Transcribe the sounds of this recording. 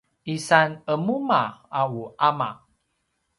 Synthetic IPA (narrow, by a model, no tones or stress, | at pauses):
isanəmumaawuʔama̰